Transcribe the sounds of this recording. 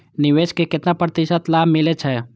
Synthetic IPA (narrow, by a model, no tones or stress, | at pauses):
nɪʋeːskekɪt̪napɾət̪ɪʃət̪laːbmɪlet͡ʃʰɛ